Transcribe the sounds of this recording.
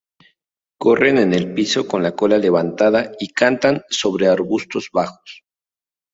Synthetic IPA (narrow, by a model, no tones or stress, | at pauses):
ko̞re̞ne̞ne̞lpiso̞ko̞nlako̞lale̞βant̪aðaikant̪anso̞βɾe̞aɾβust̪o̞zβaxo̥s